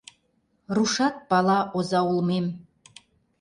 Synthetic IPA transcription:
ruʃɑt̪̚pɑlˠɑʔozɑulˠmem

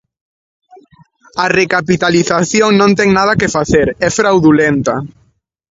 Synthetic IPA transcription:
arekapit̪aliθaθjoŋnõnt̪ɛŋnað̞ɐkefaθeɾɛfɾawðulɛnt̪ɐ

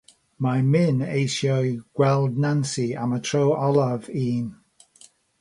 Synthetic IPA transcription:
majmɪnejsjɔjɡ̥wɛlˠdnansiamətʰɹowɔlˠaviːn

